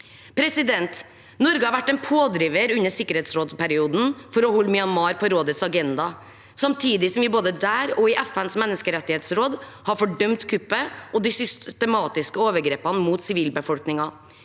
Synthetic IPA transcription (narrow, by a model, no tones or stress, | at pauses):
pʰɾɛsɪd̪ɛnt̪ | nɔɾɡəhɑɾʋæʈːɛnpʰoːd̪ɾiːʋəɾʉnːəsɪkːəɾeːt̪sɾoːd̪pæɾɪuːd̪n̩fɔɾɔhɔlːmɪɑnmɑːɾpʰɔɾoːd̪ət̪sɑɡɛnd̪ɑ | sɑmt̪ʰiːd̪ɪsɔmʋɪboːd̪əd̪æːɾɔɪʔɛfænsmɛnːəskəɾɛt̪ːɪheːt̪sɾoːd̪hɑɾfɔɖœmt̪kʰʉpːəʔɔd̪ɪsʏst̪əmɑːt̪ɪskəoːʋəɾɡɾeːpɑnəmuːt̪sɪʋiːlbəfɔlknɪŋɑ